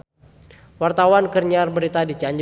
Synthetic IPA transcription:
wart̪awankərɲarbəɾit̪adit͡ʃaɲd͡ʒ

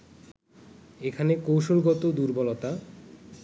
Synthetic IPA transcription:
ekʰanekowʃolɡɔt̪od̪uɾbɔlɔt̪a

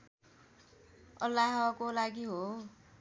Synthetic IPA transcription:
ʌlːaɦʌkolaɡiɦo

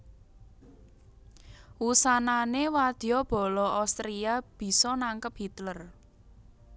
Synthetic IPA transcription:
wusananewad̪̥iɔb̥ɔ̤lɔawst̪ɾiab̥i̤sɔnaŋkəp̚hit̪lər

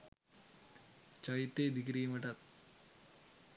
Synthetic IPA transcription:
t͡ʃɐjit̪ːed̪ikɾiːmɐʈɐt̪̚

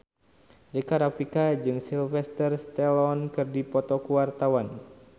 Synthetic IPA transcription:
dekaɾafikad͡ʒɨŋsilfɛst̪ərst̪ɛlɔnkɨrdipɔt̪ɔkuwart̪awan

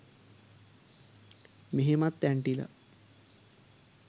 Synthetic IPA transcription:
meɦemat̪ːæɳʈila̰

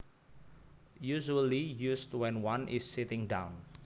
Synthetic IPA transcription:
juʒuəlijustwɛ̃nwãnʔɪsːitɪ̃ŋdãw̃n

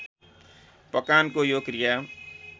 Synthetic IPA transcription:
pəkaːnkojoːkɾija

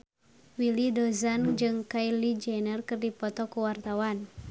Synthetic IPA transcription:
wilidɔzand͡ʒɨŋkailid͡ʒɛnərkɨrdipɔt̪ɔkuwart̪awan

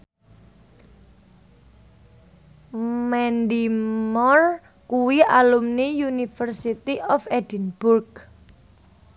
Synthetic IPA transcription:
mɛnd̪imɔr | kuwiʔalumnijunifərsit̪iʔɔfɛdənb̥urk̚

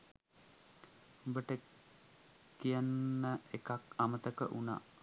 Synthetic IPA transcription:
bəʈə | kijənːəekakamət̪əkə̰ʔuna̰

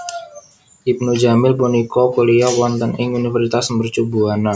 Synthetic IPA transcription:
ʔip̚nud͡ʒamɪlponikɔkuliawɔnt̪ənɪŋunifərsit̪asmbərt͡ʃubuana

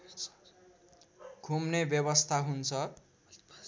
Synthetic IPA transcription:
kumnebjʌbʌst̪ʰaɦunt͡sʰʌ

